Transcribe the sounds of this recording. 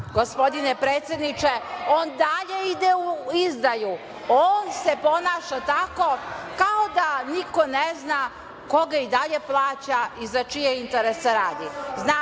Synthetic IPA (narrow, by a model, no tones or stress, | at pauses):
ɡospo̞d̪inepɾeːt̪sʲje̞d̪nit͡ʃe̞oːnd̪aʎe̞id̪euizd̪aju | oːnse̞po̞naːʃat̪ako̞kaod̪aniko̞nezna | ko̞ɡaid̪aʎe̞plˠaːt͡ɕaizat͡ʃijeint̪eɾesaɾaːd̪izna